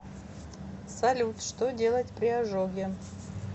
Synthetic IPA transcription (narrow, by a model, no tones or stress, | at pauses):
sɐlʲut̪ʂt̪odʲe̞lˠətʲpɾʲɪɐʐoɡʲɪ